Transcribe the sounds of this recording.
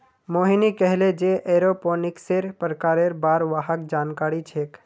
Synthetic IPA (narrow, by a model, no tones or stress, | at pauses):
moːɦinikɛɦled͡ʒeʔeɾopoːnɪkseɾpɾəkaːɾeɾbaːɾʋaɦək̚d͡ʒaːnkaːɾit͡ʃʰeːk